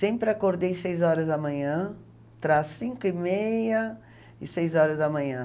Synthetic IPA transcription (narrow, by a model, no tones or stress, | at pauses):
sẽpɾɪakoɾd̪ejsejzɔɾɐzd̪ɐmɐ̃ɲɐ̃ | t̪ɾasĩŋkʊɪmejɐ | ɪsejzɔɾɐzd̪ɐmɐ̃ɲɐ̃